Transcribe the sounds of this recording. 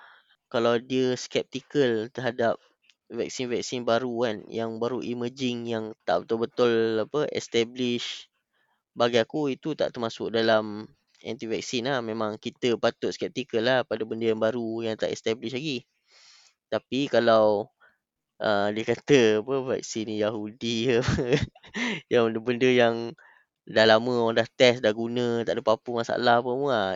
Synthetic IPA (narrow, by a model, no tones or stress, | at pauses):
kalawdiəskɛp̚t̪ikəlt̪ərɦadap̚ | vɛk̚sinvɛk̚sinbaɾukanjaŋbaɾuʔiməd͡ʒɪŋjaŋt̪a̰ʔbət̪ʊlbət̪ʊlapəɛ̰st̪ɛblɪʃ | baɡajakuit̪ut̪a̰ʔt̪ərmasʊ̰k̚dalam | ɛ̰nt̪ivɛk̚sinlahmẽmãŋkit̪əpat̪ʊt̪̚skɛp̚t̪ikəlːahpadabəndəjaŋbaɾujaŋt̪a̰ʔɛst̪ɛbliʃlaɡi | t̪apikalaw | ʔədiəkat̪əapəvɛ̰k̚sinjaɦudiapə | jaŋbəndəbəndəjaŋ | dahlamə̃odaht̪ɛsdahɡunə̃t̪a̰ʔdəpapumasaa̰lahapəmua